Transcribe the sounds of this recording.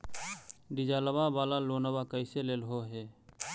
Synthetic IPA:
ɖid͡ʒaːləbabaːlaloːnəbakəɪseleːlɦoɦeː

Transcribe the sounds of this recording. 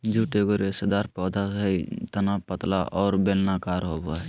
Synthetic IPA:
d͡ʒuʈeɡoɾesəd̪aɾpɔːd̪ʱaəit̪ənapət̪la̰ʔɔːɾbelnakaːɾɦobə

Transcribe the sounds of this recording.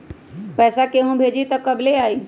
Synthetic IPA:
pɛːsakeːɦũbʱeːd͡ʒit̪ɐkɐbleaːiː

